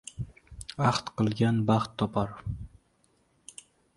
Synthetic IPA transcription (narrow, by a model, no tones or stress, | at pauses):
ɑχt̪qɨlˠɡʲanbɑχt̪ʰːɒpʰɑɾ